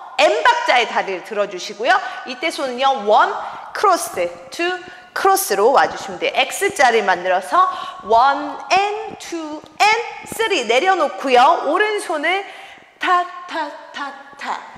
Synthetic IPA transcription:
embak̚t͡ɕ͈aetaɾɯɭtɯɾʌd͡ʑuɕʰiɡojoit͈e̞sʰonɯɲʌwʌnkʰɯɾosɯ | tʰu | kʰɯɾos͈ɯɾowa̰d͡ʑuɕʰimideʔek̚s͈ɯt͡ɕ͈aɾɯɭmandɯɾʌsʰʌwʌnentʰu | ens͈ɯɾine̞ɾjʌnokʰujooɾɯnsʰonɯɭ | tʰatʰatʰatʰa̰

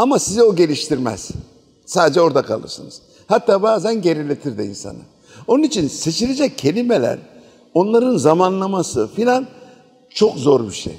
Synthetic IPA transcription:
amasizɛo̞ɟe̞lʲiʃt̪ʰiɾmɛ̰z̥ | saːd̪ed͡ʒɛo̞ɾd̪akʰa̰lˠɯ̰ɾsɯnɯz̥ | hat̪ːaːbaːzænɟe̞ɾilʲet̪ʰiɾd̪iḭnsa̰nɯ̰ | o̞nunit͡ʃʰinse̞t͡ʃʰilʲed͡ʒɛcʰːe̞lʲime̞lʲæ̰ɾ | o̞nlˠaɾɯnzamanlˠamasɯfilʲan | t͡ʃʰo̞kzo̞ɾbiʃḛj

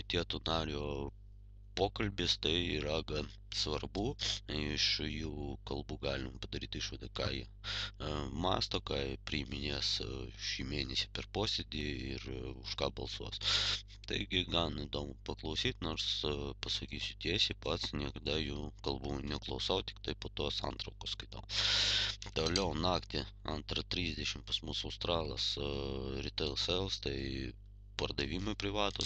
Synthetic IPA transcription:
t̪ʲiɛt̪ʊnɑːɾʲoː | poːkɐlʲbʲɪst̪ɐɪiɾɐɡɐ | sʋɐrbuːɪʃjuːkɐlˠbuːɡɑːlʲɪmpɐd̪ɐɾʲiːt̪iʃʋɐd̪ɐkɑːjɛ̰ | mɑ̰ːst̪okɑːjpʲɾʲɪɪmʲɪnʲeːsʃiːmʲeːnʲɛsʲɪpʲɛrpoːsʲɛd̪ʲɪɪ̰rʊʃkɑːbɐ̰lˠsuɔs | t̪ɐɪɡʲɪɡɑnɪd̪oːmʊpɐklˠɐʊsʲiːt̪noːɾspɐsɐkʲiːsʲʊt̪ʲiɛsʲɪpɐt̪snʲiɛkɐd̪ɐjuːkɐlˠbuːnʲɛklˠɐʊsɐʊt̪ʲɪ̥kt̪ɐɪpoːt̪uɔsɑ̰nt̪ɾɐʊkosskɐɪt̪ɐʊ | t̪oːlʲɛʊnɑːkt̪ʲɪɐ̰nt̪ɾɐt̪ʲɾʲiːzʲd̪ʲɛʃʲɪmpɐsmʊsɐʊst̪ɾɑːlˠɐsɾʲɪt̪ɐlˠsɛlˠst̪ɐɪ | pɐrd̪ɐʋʲiːmoɪpʲɾʲɪʋɑːt̪o

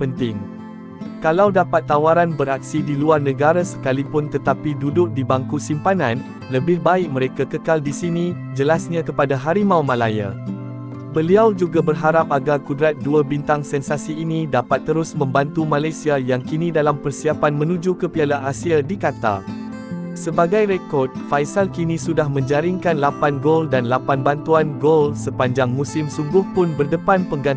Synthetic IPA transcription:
pənt̪ɪŋ | kalawdapat̪ːawaɾanbəɾak̚sidiluarnə̃ɡaɾasə̥kalipʊnt̪ət̪apidudʊk̚dibaŋkusimpanãn | ləbɪhbaɪk̚mə̃ɾekakəkaldisinĩ | d͡ʒəlasɲãkəpadaɦaɾimãwmãlaja̰ | bəliawd͡ʒuɡabərɦaɾap̚aɡarkudɾat̪̚duabint̪aŋsɛnsasiːnĩdapat̪ːəɾʊsmə̃mbant̪umãlajsiajaŋkinĩdalampərsiapanmə̃nũd͡ʒukəpialaasiadikat̪a̰ | səbaɡajɾekɔrd̚fajsalkinĩsudahmə̃ɲd͡ʒaɾiŋkanlapanɡoldanlapanbant̪uanɡolsəpaɲd͡ʒaŋmũsɪmsuŋɡʊhpʊnbərdəpanpəŋɡa

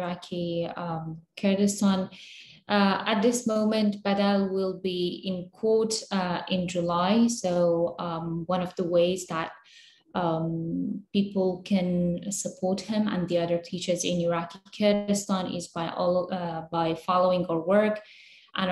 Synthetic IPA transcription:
akʰi | kʰɛdɨstɑ̃n | ʔət̪̚ðɪsmõʊ̃mɨ̃nʔb̥ɛdɛlˠwɪlˠbiɪ̃nkʰɔɹtɪ̃nd͡ʒɨlaɪsoʊ | wʌ̃nʌvðəweɪzðət̚ | pipl̩ˠkʰɨ̃nsəpʰɔɹt̚hɪ̃mə̰̃nðiʌðə˞tʰit͡ʃə˞zɪ̰̃nəɹakikʰɛɹdɨstɑ̃nɪ̰zbaɪʔɔbaɪfɑlˠoʊɪ̃ŋə˞wɜ˞k | ʔə̃n

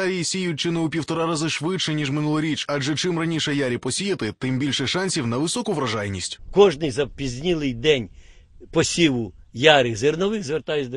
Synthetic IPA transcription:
ɾʲijisʲijʊt̚ʲt͡ʃɪnɛupʲiwt̪ɔɾɑɾazʊʃʋɪt͡ʃɛnʲiʒmɪnulˠɐɾʲit͡ʃad͡ʒɛt͡ʃɪmrɐnʲiʃɛjaɾʲipɔsʲijɐt̪ɪt̪ɪmbʲilʲʃɛʃɑnʲsʲiwnɐʋɪsɔkʊʋɾɐʒɑjnʲisʲtʲkɔʒnɪjzɐpʲizʲnʲilˠɪjd̪ɛnʲ | pɔsʲiʋʊjaɾɪzernɔʋɪxzʋert̪ɑjʊt͡sʲd̪

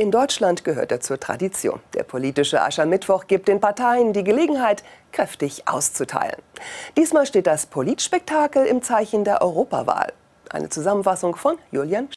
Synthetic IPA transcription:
ʔɪndɔʏt͡ʃlantɡ̥əɦøːɐteːɐt͡suːɐtʁ̥a̰dit͡sjo̰ːnd̥ḛːɐpʰoliːtɪʃəʔa̰ʃamɪtv̥ɔχɡ̥iːp̚t̚d̥eːnpaɐtʰaɪəndiːɡəleːɡŋ̩ɦaɪtkʁ̥ɛftɪçʔa̰ʊst͡sutʰa̰ɪlə̰nd̥iːsmaːlʃteːt̚d̥aspʰoliːtʃpɛk̚tʰaːkl̩ɪmt͡saɪçn̩deːɐʔɔʏʁoːpa̰va̰ːl | ʔa̰ɪnət͡suzamənfasʊŋfɔnjuːljan

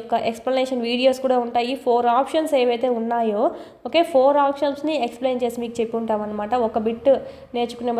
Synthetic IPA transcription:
kːɐʔeksplɐneːʂɐnʋiːɽijo̞ːskuːɽaːuɳʈaːjipʰo̞ːɾaːpʂɐnseːʋɐjt̪e̞ːunːaːjoː | oːke̞ːpʰoːɾaːpʂɐnsnieksple̞ːnt͡ʃe̞ːsimiːkut͡ʃepːuɳʈaːmɐnːɐmaːʈɐɔkɐbiʈː | ne̞ːt͡ʃu̥kune

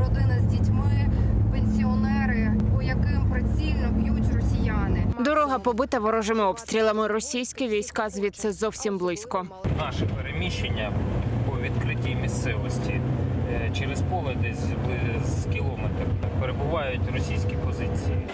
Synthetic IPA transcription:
ɾɔd̪ɪnɐzʲdʲitʲmɪpenʲsʲiɔnɛɾɪɔjɐkɪmpɾɪsʲilʲnɔpʲjutʲrɔsʲijanɪd̪ɔɾɔɦɐpɔbɪt̪ɐʋɔɾɔʒɪmɪɔpst̪ʲɾʲilˠɐmɪrɔsʲijsʲkʲɪʋʲijsʲkɑzʲʋʲit̪sɛzɔwsʲimblˠɪsʲkɔnɑʃɛpeɾemʲiʃenʲːɐpɔʋʲid̪kɾɪtʲimʲist̪sɛʋɔsʲtʲi | t͡ʃeɾɪspɔlˠɐd̪ɛzʲd̪ɪzkʲilˠɔmet̪peɾebʊʋɑjʊtʲrɔsʲijsʲkʲipɔzɪt͡sʲiji

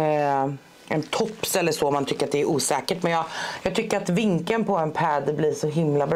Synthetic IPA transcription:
ɛnt̪ʰɔpːsɛlːəʂoɔmːant̪ʰʏkːəɾat̪̚d̪ɛæɾʔuːsɛːkəʈmɛnjɑːjɑːɡ̚t̪ʰʏkːəɾat̪vɪŋkənpʰɔɛnpʰɛːd̪blɪʂɔɦɪmlabɾ

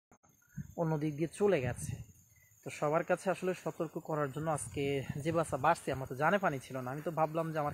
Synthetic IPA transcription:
onːod̪ik̚d̪iet͡ɕoleɡɛt͡ɕʰe | t̪oʃɔβaɾkat͡ɕʰeaʃoleʃɔt̪oɾkokɔɾaɾd͡ʑonːoasked͡ʑebasabaʃt̪ʰiamaɾt̪od͡ʑanepanit͡ɕʰilonaamit̪obʱablamd͡ʑeamaɾ

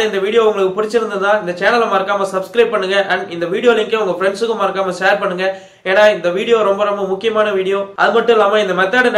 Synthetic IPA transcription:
ɪnd̪ɐʋiːɽɪjoːʋɐŋɡɐɭɯkːɯpʊɽɪt͡ʃːɪɾɯnd̪ɯðãːɪnd̪ɐt͡ʃeːnɐlɐmaːɾɯkːaːmɐsɐbskɾɐɪb̚pɐɳːɯŋɡɐʔɐɳɪnd̪ɐʋiːɽɪjoːlɪŋkeɐʋʊŋɡɐfɪɾɛɳɖsɯkːɯmaːɾɯkːaːmɐʃeːɾpɐɳːɯŋɡɐ | eːnːaːɪnd̪ɐʋiːɽɪjoːɾɔmbɐɾɔmbɐmʊkːɪjɐmaːnɐʋiːɽɪjoːʔɐ̰ðɯmɐʈːɯ̃ɛlːaːmaːɪnd̪ɐmɐt̪ːaːɽɯn

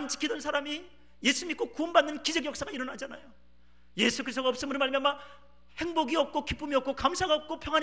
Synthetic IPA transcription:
nt͡ɕi̥kʰidʌnsʰaɾami | je̞sʰumik͈okuʌnbanːɯnkid͡ʑeɡjʌk̚s͈aɡaiɾʌnɦad͡ʑana̰jo | je̞sʰukʰɯɾist͈oaʌp̚s͈ɯmɯɾmaɭmjanma | he̞ŋboɡiʌp̚k͈ʰokip͈umiʌp̚k͈ʰokamsʰaɡaʌp̚k͈ʰopʰjʌŋwan

